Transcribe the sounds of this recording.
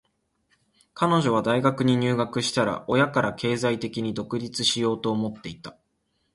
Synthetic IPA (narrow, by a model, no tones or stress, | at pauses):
kano̞ʑo̞β̞ad̪aiɡakɯ̟ɲ̟iɲ̟ɨːɡakɯ̟ɕi̥t̪aɾa̰ʔo̞jakaɾakʰe̞ːzait̪e̞kʲiɲ̟id̪o̞kɯ̟ɾʲit͡sɨɕijo̞ːt̪o̞ːmo̞t̪ːe̞it̪a